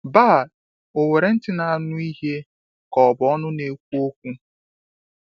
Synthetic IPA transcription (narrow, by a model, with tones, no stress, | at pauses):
baː˦˨ | o˨we˨ɾe˨n̩˦tɪ˦na˨a˦nʊ˦i˦ɦe˦ | kɔ˨bɔ˦nʊ˦ne˨kʷu˦o˦kʷu˦